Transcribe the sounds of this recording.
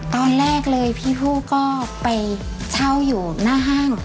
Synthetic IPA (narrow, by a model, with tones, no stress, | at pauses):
t̪ɔː˧nɾɛː˥˩k̚lɤː˧jpʰiː˥˩pʰuː˥˩kɔː˥˩pa˧j | t͡ɕʰa˥˩wjuː˨˩naː˥˩ɦaː˥˩ŋ